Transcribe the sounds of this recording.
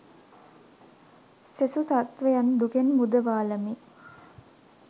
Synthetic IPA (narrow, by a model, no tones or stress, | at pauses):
sesusat̪ʋejand̪ukenmud̪əʋaːləmi